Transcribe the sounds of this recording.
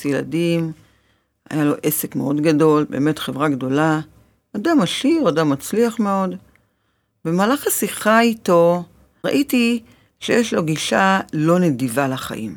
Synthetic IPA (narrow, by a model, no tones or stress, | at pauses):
sjela̰dim | a̰jalo̞ʔe̞se̞kmeo̞dɡado̞lbe̞ːme̞tχe̞vʁaɡdo̞la | adamːaʃiʁadamːat͡sliaχme̞o̞d | be̞maːlaχasiχaito̞ | ʁa̰ʔiti | ʃejeʃlo̞ɡiʃalo̞ne̞divalaχa̰ʔḭm